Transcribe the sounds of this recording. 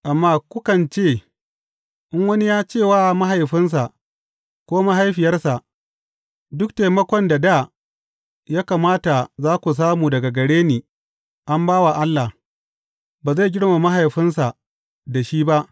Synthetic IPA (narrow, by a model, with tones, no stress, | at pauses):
ʔa˨mːaː˦kʷʊ˦kɐ˨nt͡ʃeː˦˨ | ʔɪ˦ŋwɐ˦ni˦jaː˦t͡ʃeː˦˨waː˦ma˦ɦa˨jɸɪ˦ns̬a˨ʔ | kʷoː˦ma˦ɦa˦jɸɪ˨jɐ˦rsa˨ʔ | dʊ˦k̚ta˨jmɐ˦kʷɔ˨nda˨daː˦˨ | jaː˦ka˨maː˦ta˨zaː˦kʷu˨s̬aː˦muː˨dɐ˨ɡa˨ɡɐ˨ɽeː˦niː˨ | ʔa˦mbaː˦wa˨ʔa˦lːa˨h | baː˨za˦˨jɡʲɪ˦ɽma˨ma˦ɦa˨jɸɪ˦ns̬a˨ | da˨ʃiː˦ba˦ʔ